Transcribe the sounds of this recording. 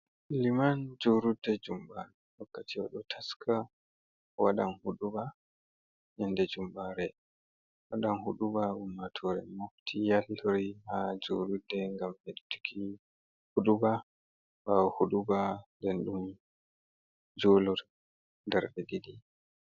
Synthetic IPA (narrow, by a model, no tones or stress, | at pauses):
limand͡ʒoɾudːɛd͡ʒumbaɾɛwakːatiwɔɗɔtʰaskʰa | waɗanhuɗuba | jɛndɛd͡ʒumbaɾɛ | waɗanhuɗubaʔumːatʰɔɾɛ̰moftʰijalɾihad͡ʒoɾudːɛŋɡamɛɗutu̥kʰi | huɗuba | bawɔhuɗubandɛnɗum | d͡ʒɔːlɔ | ndɛɾɗɛdiɗi